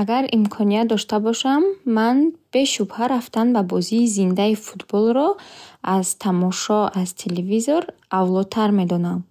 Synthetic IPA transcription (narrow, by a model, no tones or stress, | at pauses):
aɡaɾimkʰɔnijat̪̚d̪ɔʃt̪abɔʃamːanb̥e̞ʃubhaɾaft̪anbabɔziːzind̪aifu̥t̪bɔlˠɾɔaz̥t̪ʰamɔʃɔazt̪ʰelevizoɾavlɔd̪̚t̪ʰaɾme̞d̪ɔnam